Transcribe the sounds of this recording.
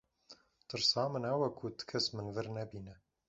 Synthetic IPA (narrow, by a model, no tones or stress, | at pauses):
t̪ɨɾsɑːmɨnɐwɐkʰut̪ɨ̥kʰɛsmɨnvɨɾnɛbiːnɛ